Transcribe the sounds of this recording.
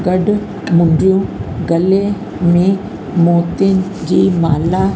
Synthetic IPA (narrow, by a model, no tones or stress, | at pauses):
ɡɐɖ | mʊ̃ɳɖɾijõɡɐle | mẽ | moːt̪ɪnd͡ʑiːmaːla